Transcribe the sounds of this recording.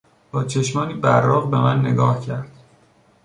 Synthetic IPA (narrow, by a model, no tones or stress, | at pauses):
b̥ɒːt͡ʃʰe̞ʃmɒːniːbærɒːɣbe̞mænːe̞ɡɒːhcʰæɾd̪̥